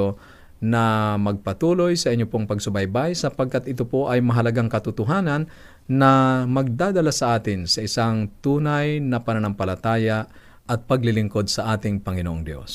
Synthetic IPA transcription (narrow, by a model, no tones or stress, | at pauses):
o | nɐmɐɡ̚pɐt̪uːlojsɐʔɪɲːopoŋpɐɡsʊbajbajsɐpɐɡ̚kat̪ʔɪt̪opoʔɐjmɐɦɐlɐɡaŋkɐt̪ʊt̪ʊɦaːnɐnː | ɐmɐɡ̚d̪aːd̪ɐlasɐʔaːt̪ɪnsɐʔɪsaŋt̪uːnajnɐpɐnɐnɐmpɐlɐt̪aːja | ʔɐt̪̚pɐɡlɪlɪŋko̞d̪̚sɐʔaːt̪ɪŋpɐŋɪnoʔoŋd̪jo̰s